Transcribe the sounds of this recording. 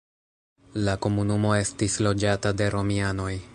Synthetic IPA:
lako̞munumo̞e̞stislo̞d͡ʒatade̞ɾo̞miano̞j

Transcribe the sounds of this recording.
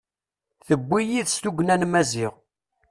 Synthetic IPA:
θəbʷːijiðst̪uɡnænmæziʁ

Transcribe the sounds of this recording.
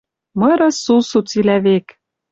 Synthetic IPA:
mɤ̆ɾɤ̆susut͡silæβek

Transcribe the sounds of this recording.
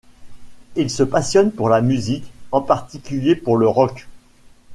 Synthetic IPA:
ilsəpasjɔnpuʁlamyzikɑ̃paʁt̪ikʲyljepuʁləʁɔk

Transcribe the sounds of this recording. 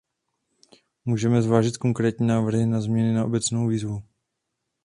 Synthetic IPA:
muːʒɛmɛzvaːʒɪt̪ko̞ŋkɾɛːt̪ɲiːnaːvr̩ɦɪnazmɲɛnɪnaʔo̞bɛt͡snowviːzvu

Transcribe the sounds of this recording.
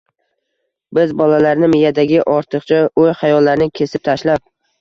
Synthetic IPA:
bɪzbɒlalaɾnɪmɪjad̪aɡʲɪʔɒɾt̪ʰɨqt͡ʃʰaojχajɒlːaɾnɪkʲʰe̞sɪp̚t̪ʰaʃlap̚

